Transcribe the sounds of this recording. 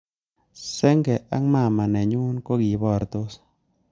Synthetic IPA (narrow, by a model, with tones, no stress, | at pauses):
sɛ˦ŋɡɛ˨a˦ŋma˦˨ma˨nɛ˨ɲu˦nko˦ɡi˨bɔ˦˨ɾt̪o˦s